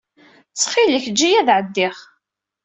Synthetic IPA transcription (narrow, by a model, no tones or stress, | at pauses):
t͡sːχiləçd͡ʒːijæðʕəd̪ːɪχ